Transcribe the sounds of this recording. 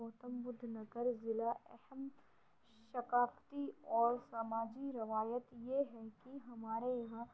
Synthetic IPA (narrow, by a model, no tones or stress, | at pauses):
ɔːt̪əmbʊd̪ʱːnɐɡəɾzɪlaʔɛhəm | ʃɐkaːft̪iɔːɾsaːmaːd͡ʒiɾɐʋaːjət̪jeɦɛkiɦɐmaːɾeʋã